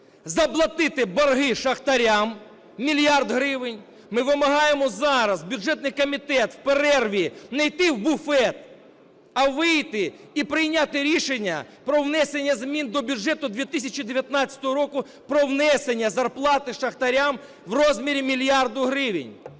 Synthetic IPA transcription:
zɐplˠɐt̪ɪt̪ɪbɐrɦɪʃɐxt̪ɐɾʲamːʲ | ilʲjard̪ɦɾɪʋɪnʲ | mɪʋɪmɐɦɑjemɔzɑɾɐzbʲjʊʒɛt̪nɪjkɔmʲit̪ɛt̪wpeɾɛrʋʲinɐjt̪ɪwbʊfɛt̪̚ | ɐʋɪjt̪ɪ | ipɾɪjnʲat̪ɪɾʲiʃenʲːɐ̰pɾɔwnɛsenʲːɐzmʲind̪ɔbʲud͡ʒɛt̪ʊd̪ʋʲit̪ɪsʲɐt͡ʃid̪eʋʲjɐt̪nɑt͡st͡sʲɐ̥t̪ɔɦɔɾɔkʊ | pɾɔwnɛsenʲːɐzɐrplˠɑt̪ɪʃɐxt̪ɐɾʲam | wrɔzʲmʲiɾʲimʲilʲjɑrd̪ʊɦɾɪʋɪnʲ

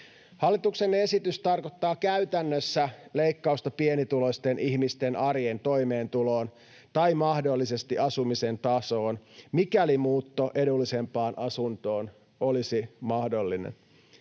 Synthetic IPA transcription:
hɑlːit̪uksene̞sit̪yst̪ɑrkot̪ːɑːkæyt̪ænːøsːæle̞ikːɑust̪ɑpienit̪ulo̞st̪enʔiçmist̪enʔɑrjent̪o̞imeːnt̪ulo̞ːn | t̪ɑimɑhdolːise̞st̪iʔɑsumisent̪ɑso̞ːnmikælimuːt̪ːoʔe̞dulːise̞mpɑːnʔɑsunt̪o̞ːn | olisimɑhdo̞lːinḛn

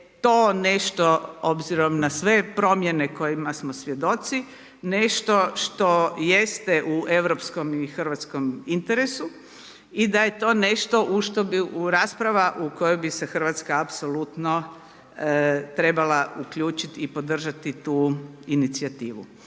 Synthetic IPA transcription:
t̪oːneʃt̪oo̞bziɾo̞mnasʋe̞pɾo̞mjene̞ko̞jimasmosʋje̞d̪o̞t̪si | ne̞ʃt̪o̞ʃt̪o̞je̞st̪eʔuʔe̞ʋɾopsko̞mixr̩ʋat̪sko̞mint̪eɾesu | id̪ajet̪o̞ːne̞ʃt̪o̞ʔuʃt̪obiuɾaːspɾaʋaʔuko̞jojbisexr̩ʋat̪skaːpsolut̪no | t̪ɾe̞balaukʎuːt͡ʃit̪ipo̞d̪r̩ʒat̪it̪uːinit̪siat̪iːʋṵ

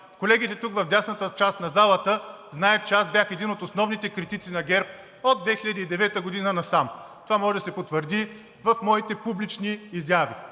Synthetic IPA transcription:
kolɛɡʲit̪ɛt̪ukvɐvd̪ʲjasnət̪ət͡ʃast̪nɐzalˠət̪ə | znaɛt̪t͡ʃɛasbʲjaxɛd̪inot̪osnɔvnit̪ɛkɾit̪it̪sinɐɡʲɛɾp̚ | od̪̚vɛxiʎʲɐd̪iid̪ɛvɛt̪əɡod̪inənɐsamt̪ovamɔʒɛd̪ɐsɛpot̪vəɾd̪i | vɐfmɔit̪ɛpublit͡ʃniːzjavi

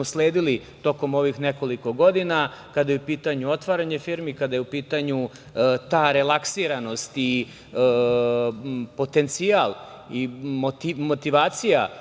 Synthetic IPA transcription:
osle̞ːd̪ilit̪o̞ko̞mo̞ʋixneko̞liko̞ɡo̞d̪inakad̪ajeupiːt̪aɲuo̞t̪ʋaɾaɲefiɾmikad̪ajeupiːt̪aɲu | t̪aːɾe̞laksiːɾano̞st̪i | po̞t̪e̞nt̪sijalˠ | imot̪imot̪iʋaːt̪sija

